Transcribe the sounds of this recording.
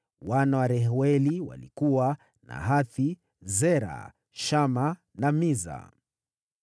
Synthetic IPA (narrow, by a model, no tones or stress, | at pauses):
wanawaɾɛɦwɛliwa̰likuwa | na̰ɦaθi | zɛɾa̰ | ʃama | namiza̰